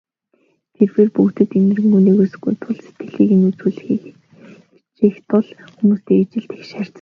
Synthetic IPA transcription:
t̪ʰerweːrpukt̪ɘ̆t̪emɘ̆rɘ̆ŋuniːɣuːsɘ̆ɡṵjt̪ʰʊɮse̥t̪ɡɘ̆ɮiːkinut͡suːɮɘ̆xiːkʰ | t͡ɕixt̪ʰʊɮxumuːst̪eːat͡ɕɪ̆ɬt̪e̥xʃaːr̥t͡s

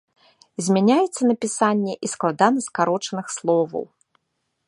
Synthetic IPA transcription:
zʲmʲanʲajɛt̪sːɐnɐpʲisanʲːɛʔisklˠad̪anɐskaɾɔt͡ʂɐnɨxslˠɔvɐ̰w

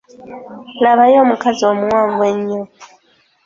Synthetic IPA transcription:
laβajoːmukaziomuwaːɱvweɲːo

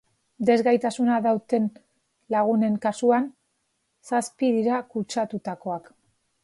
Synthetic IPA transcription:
d̪e̞zɣajt̪asunaðawt̪e̞n | laɣune̞ŋkasuan | saspiðiɾakut͡ʃat̪ut̪ako̞ak

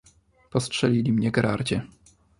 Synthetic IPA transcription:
pɔstʂɛlʲilʲimɲɛɡɾaɾd͡ʑɛ

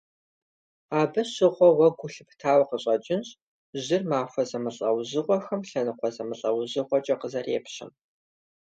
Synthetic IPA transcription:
aːbɐɕɪʁʷɔwɐɡʷʊɬɨptʰaːwqəɕʼɐt͡ʃʼɪnɕ | ʑɪrmaːxʷɐzɐmɨɬʼɐwzɨʁʷɔxɐmɬɐnɨqʷɔzɐmɨɬʼɐwʑɨʁʷɔt͡ʃʼɐqəzɐreːpɕɪ̰m

